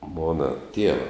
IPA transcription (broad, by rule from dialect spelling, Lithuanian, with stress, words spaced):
ˈmoːnɐ ˈtʲiɛʋɐ